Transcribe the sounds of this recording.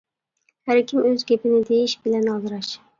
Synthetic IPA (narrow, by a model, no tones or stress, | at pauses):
hæɾkʲʰimøzɡʲepɪnɪd̪ejiʃbɪlɛnɑzɨɾɑʃ